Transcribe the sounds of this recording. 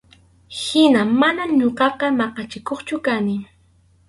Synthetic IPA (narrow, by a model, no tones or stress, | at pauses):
hɪnamanamɲoɢɑqɑmɑqɑt͡ʃɪkoχt͡ʃʊkanɪ